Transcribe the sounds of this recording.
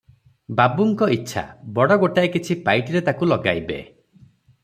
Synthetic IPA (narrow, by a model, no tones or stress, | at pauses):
babuŋkɔitːʃʰa̰bɔɽɔɡoʈajkit͡ʃʰipajʈiɾet̪akulɔɡa̰jbḛ